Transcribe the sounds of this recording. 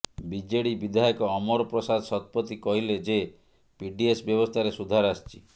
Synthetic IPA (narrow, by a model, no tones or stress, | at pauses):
bid͡ʒeɽibid̪ʱajɔkɔɔmɔɾɔpɾɔsad̪ɔsɔt̪̚pɔt̪ikɔɦiled͡ʒe | piɖiesbjɔbɔst̪ʰaɾesud̪ʱaɾast͡ʃʰi